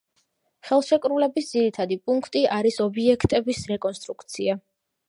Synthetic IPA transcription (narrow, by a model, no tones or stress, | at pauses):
χɛlˠʃɛkʼɾulɛbisd̪ziɾit̪ʰad̪ipʼuŋkʰt̪ʼiʔaɾisɔbiɛkʰt̪ʼɛbisɾɛkʼɔnst̪ʼɾukʰt̪sʰia